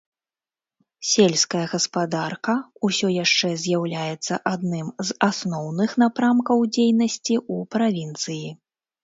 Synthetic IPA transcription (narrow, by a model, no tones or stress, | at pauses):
sʲelʲskɐjɐɣɐspad̪arkɐusʲɔjaʂt͡ʂɛzʲjawlʲajɛt̪sːɐʔad̪nɨmzasnɔwnɨxnapɾamkɐwd͡zʲejnɐsʲt͡sʲiupɾavʲint̪sɨji